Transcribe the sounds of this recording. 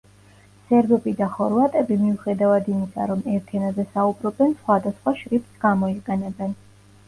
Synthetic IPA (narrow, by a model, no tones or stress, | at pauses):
sɛɾd̪ɔpʼid̪aχɔɾvat̪ʼɛbimiuχɛd̪avad̪imisa̰ɾɔmɛɾt̪ʰɛnazɛsaubɾɔbɛnsχwad̪asχwaʃɾip̪sɡamɔiqʼɛnɛbɛn